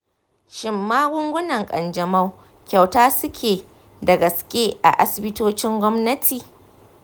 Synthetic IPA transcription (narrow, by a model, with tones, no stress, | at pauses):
ʃɪ˨mːaː˦ɡʷʊ˦ŋɡʷʊ˦nɐ˨ŋkʼɐ̰˨nd͡ʒɐ˨ma˦w | kʲa˨wtaː˦sʊ˦kʲʰeː˨ | dɐ˨ɡɐ˨skʲʼe˦ʔa̰˨ʔa˦sɪ˨bɪ˦toː˦t͡ʃɪ˦ŋɡʷɔ˦mnɐ˦tʰiː˨